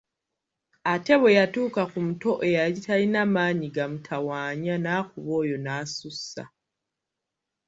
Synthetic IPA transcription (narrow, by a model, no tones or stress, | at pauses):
ate̞βe̞jatuːkakumuto̞ʔe̞jaɾitalinamaːɲiɡamutʰawaːɲanaːxuβo̞ːjo̞naːsusa̰